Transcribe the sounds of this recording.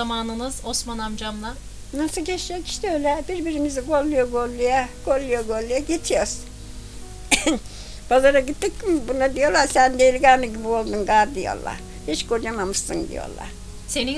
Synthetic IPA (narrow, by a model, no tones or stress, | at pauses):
amaːnɯnɯzosmanamd͡ʒamlˠa | nasɯlˠcʰet͡ʃd͡ʒɛci̥ʃt̪ɛøːlʲɛbiɾbiɾimiziɡolˠːujoɡo̞lʲˠːujako̞lˠːujoɡo̞lʲˠːujaɟet͡ʃʰijoɾs | b̥azaɾaɟit̪ːic̚ːimbunad̪ijo̞lˠaɾsænd̪elʲiɡaːnɯɟibiolˠd̪unɡaɾd̪ijo̞̰lˠːa̰ɾ̥ | hit͡ʃkod͡ʒamamɯsːɯ̰nd̪ḭjo̰lˠa̰ɾ̥ | se̞ni